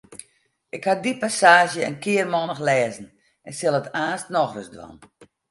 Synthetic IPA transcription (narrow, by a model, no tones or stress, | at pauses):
ɪkhadipasaːʒjəə̰nkʰɪərmɔnəxlɛːzn̩ | ɛnsɪlˠətaːstnɔxrəsdwɔ̰n